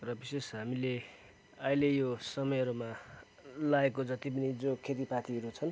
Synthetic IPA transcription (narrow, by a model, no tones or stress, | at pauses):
rʌbisesɦamile | ʌilejosʌmʌjɦʌɾuma | laekod͡zʌt̪ip̬ʌnid͡zokʰet̪ipat̪iɦʌɾut͡sʰʌn